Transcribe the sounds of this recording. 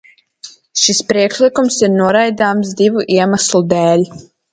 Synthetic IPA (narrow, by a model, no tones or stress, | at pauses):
ʃispɾiɛkʃlikumsiɾnuɔɾajd̪aːmsd̪ivuʔiɛmaslˠud̪ɛːlʲ